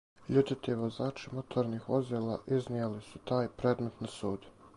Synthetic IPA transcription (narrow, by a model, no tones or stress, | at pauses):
ʎut̪it̪iʋozaːt͡ʃimot̪ʰoɾniːhozelaʔiznijalisut̪aːjpɾed̪not̪nasuːd̪